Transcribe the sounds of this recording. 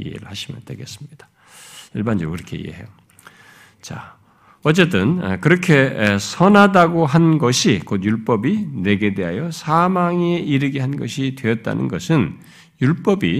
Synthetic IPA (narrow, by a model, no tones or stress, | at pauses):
ḭɦḛɾɯ̰ɭhaɕʰimjʌ̰ntwḛɡe̞̰s͈ɯ̥mɲid̥ḁ | iɭband͡ʑokɯɾʌkʰe̞ḭḛɦḛjo | t͡ɕa | ʌt͡ɕ͈e̞t͈ɯnkɯɾʌkʰe̞sʰʌnɦadaɡoɦanɡʌɕʰikot̚juɭp͈ʌbine̞ɡe̞de̞ɦajʌsʰamaŋeʔiɾɯɡiɦanɡʌɕʰidwe̞jʌt̚t͈a̰nɯ̰nɡʌsʰɯn | juɭp͈ʌbi